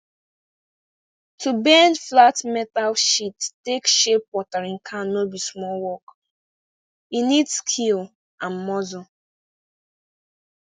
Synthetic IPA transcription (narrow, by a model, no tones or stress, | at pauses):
tʰubɛ̃ndflatmɛtalʃitːekʃepwɔtaɹĩnkʰãnobismɔlwɔk | inidskʰil | ãnmɔzɔ